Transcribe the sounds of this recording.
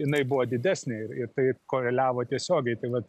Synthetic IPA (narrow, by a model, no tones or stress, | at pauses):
jɪnɐɪbʊʋoːd̪ʲɪd̪ʲæːsʲnʲeːɪɾɪɾt̪ɐɪkoːɾʲɛlʲæːʋoːt̪ʲiɛsʲoːɡʲɛɪt̪ɐɪʋɐt̪